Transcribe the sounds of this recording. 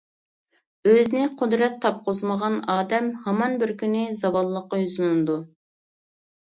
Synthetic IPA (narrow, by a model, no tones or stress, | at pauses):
øznɪqʰʊd̪ɾɛt̪ʰːɑp̚qʰʊzməʁɑnɑːd̪ɛmhɑmɑnbɪɾkʲʰynɪzɑwɑlˠːəqːɑjyzɨnnɨd̪u